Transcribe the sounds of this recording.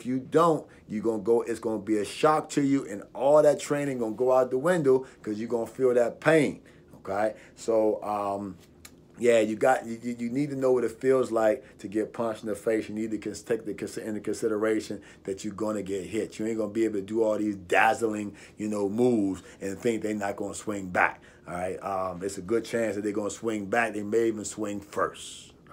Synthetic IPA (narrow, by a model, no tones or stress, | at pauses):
ɪfjɨdõʊ̃nt̚ | jɨɡõnɡoʊʔɪtsɡ̥ʌʊnəbiɨʃɑk̚tʰɨjɨʔɨ̃nʔɔlˠðɨtʰɹ̥ẽɪ̃ɾ̃ɪ̃ŋɡõʊnɡoʊaʊɾʌvðəwɪ̃ndoʊkʰʌzjɨɡõʊnəfilˠðɨt̚pʰẽɪ̃n | oʊkʰeɪt̚ | soʊʔʌ̃m | jæjɨɡɑtɨjɨjɨnid̚tʰɨnoʊwʌɾɨtfilˠzlaɪk̚tʰɨɡɛt̚pʰɹ̥ɑ̃nʃn̩əfeɪsjɨnid̚tʰɨkʰɨ̃ntʰeɪk̚ðɨkɨ̃nsɨ̃nðɨkɨ̃nsɪɾə˞eɪʃɨ̃n | ðɨt͡ʃɨɡʌ̃nɨɡɛt̚ɦɪt͡ʃjɨ̃iɡʌ̃nəbieɪbl̩ˠtʰɨdəɔlˠðizdæzl̩ˠɪ̃ŋ | jɨnoʊmuvz̥ | ɨ̃nθɪ̃ŋk̚ðeɪnət̚ɡ̥ʌ̃ʊnəswɪ̃ŋbæ̰k | ɹaɪt̚ʌ̃mɨtsɨɡʊd̚t͡ʃʰæ̃nsðɨt̪̚ðeɪɡõnəswɪ̃ŋbæk̚ðeɪmeɪivɨ̃nswɪ̃ŋfɜ̰˞st